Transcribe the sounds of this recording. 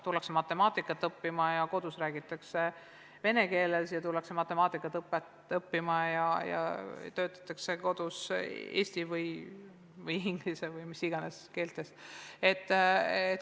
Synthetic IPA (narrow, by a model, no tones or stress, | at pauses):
t̪ulːɑksemɑt̪ːˑe̞mɑːt̪ːˑikːˑɑt̪ːˑɤpːimɑjɑko̞d̪̥usræːɡ̥it̪ːˑɑkse | ve̞ne̞ke̞ːlesjɑt̪ulːɑksemɑt̪ːˑe̞mɑːt̪ːˑikːˑɑt̪ɤpːet̪ | ɤpːimɑjɑjɑ̰t̪ø̞ːt̪ːˑɑ̥t̪ːˑɑkse̞ko̞d̪̥usḛːsʲt̪ivɯj | vɯjiŋɡ̥lisevɯjmisiɡ̥ɑneske̞ːlt̪ːˑe̞se̞t̪ˑːe